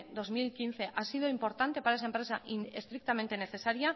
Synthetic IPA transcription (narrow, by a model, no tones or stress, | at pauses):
d̪o̞zmilkin̟θe̞ʔasið̞oimpo̞ɾt̪ant̪e̞paɾaes̬aempɾe̞saʔinest̪ɾik̚t̪amẽnt̪e̞ne̞θe̞saɾja